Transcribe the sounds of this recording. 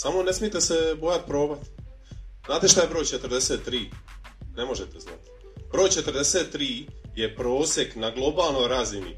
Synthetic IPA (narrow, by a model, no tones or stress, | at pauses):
samone̞smijet̪esebojat̪pɾo̞ːbat̪ | znaːt̪e̞ʃt̪aje̞bɾojt͡ʃet̪rɾd̪eseːt̪ːɾiːne̞mo̞ʒet̪ezna̰t̪ | b̥ɾo̞ːjt͡ʃet̪əɾd̪eseːt̪ːɾiːjepɾo̞ːsjeknaɡlˠo̞baːlˠno̞jɾazinḭ